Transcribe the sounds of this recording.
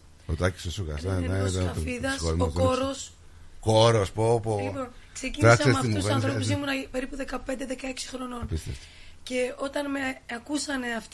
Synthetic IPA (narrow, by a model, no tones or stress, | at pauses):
ot̪ɐci̥st̪osuɣɐ̰sɐnɐsefiðɐsoɾimokoɾos | koɾospopoionksecinɾɐisɐsemɐimt̪uvsɐnsθɾopus̬imunɐpe̞ɾipuðe̞kɐpe̞nd̪eðe̞kɐeksi̥xɾo̞no̞npist̪ḛft̪i̥ | ce̞o̞t̪ɐnmeɐkusɐne̞ɐft̪